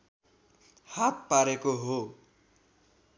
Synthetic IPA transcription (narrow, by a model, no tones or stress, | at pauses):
hat̪̚paɾekoɦo